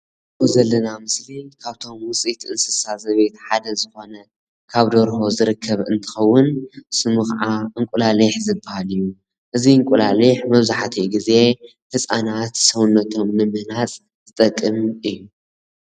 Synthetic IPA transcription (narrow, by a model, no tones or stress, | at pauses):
ozɐlːɐnamɨslikʰaβt̪ʰo̞mwʊt͡sʼit̪ɨnsɨsazɐβet̪ħad̪ɐzɨxo̞nɐ | kʰaβd̪oɾho̞zɨɾɨkʰːɐβɨnt̪ʰɨ̥xɐwːʊnsɨmɨxʕaʔɨŋkʷʼulaliħzɨbːahalɨjːu | ʔɨziɨŋkʷʼulaliħmɐβzaħt̪ʰiɡize̞ | hɨsʼanat̪sɐwʊnːɐt̪ʰo̞mnɨmɨhnat͡sʼ | zʰɨt̪ʼɐkʼːɨmʔɨjːu